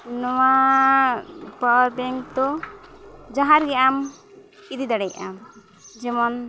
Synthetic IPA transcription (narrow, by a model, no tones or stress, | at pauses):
nɔwa | pɔɾbɛŋt̪ɔ | d͡ʒaɦaɾɡɛam | kid̪id̪aɽɛja̰m | d͡ʒɛmɔn